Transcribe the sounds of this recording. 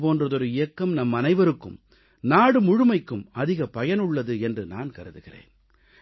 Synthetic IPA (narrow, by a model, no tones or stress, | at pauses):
poːndrɐðɔɾɯɪjɐkːɐmnɐmːɐnɐɪʋɐɾɯkːɯ̰m | naːɽɯmʊɻɯmɐɪkːɯmɐðɪɣɐpɐjɐnɯɭːɐðɯɛndrɯna̰ːnkɐɾɯðɯɣɪrḛːn